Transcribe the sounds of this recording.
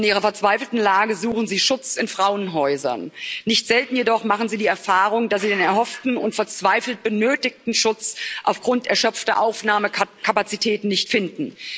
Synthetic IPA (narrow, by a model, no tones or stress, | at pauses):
nʔiːʁɐfɛɐt͡sv̥aɪfl̩tn̩laːɡəzuːχn̩ziːʃʊt͡sɪnfʁ̥aʊənɦɔʏzɐ̰nːɪçtz̥ɛltn̩jedɔχmaχn̩ziːdiːɛɐfaːʁʊŋdasz̥iːdeːnɛɐhɔftn̩ʊntfɛɐt͡sv̥aɪfl̩t̚b̥ənøːtɪk̚tn̩ʃʊt͡sʔaʊfɡ̥ʁʊntɛɐʃœp͡ftɐʔaʊfnaːməkʰapat͡sitʰɛːtn̩nɪçtfɪndn̩